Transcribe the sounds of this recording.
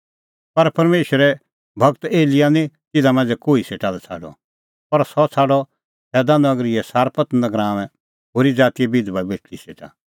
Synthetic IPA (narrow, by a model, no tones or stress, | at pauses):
pɐɾpɐɾmeːʃəɾɛ | bʱɐɡt̪eːlɪjanĩt̪ɪd̪amɐ̃nd͡zɛkoːiseːʈalɛt͡sʰa̰ːɖɔ̰ | pɐɾsɔt͡sʰaːɖɔ | sɛːd̪anɐɡɾɪɛsaːɾpət̪nəɡɾãːʋ̃ɛ̃ | ɦoːɾid͡zaːt̪iɛbɪd̪babeːʈʰliseːʈa̰